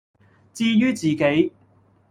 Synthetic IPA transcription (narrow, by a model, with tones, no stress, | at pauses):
t͡siː˥jyː˥t͡siː˨ke˨˥j